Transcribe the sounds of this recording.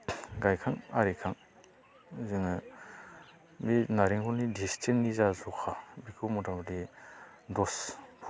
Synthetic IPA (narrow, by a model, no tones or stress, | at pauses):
ɡajkʰaŋaɾikʰaŋ | zɯŋɯ | minaɾiŋkɔnidistʰiknizazɔkʰabikʰumɔtamadi | dɔspʰ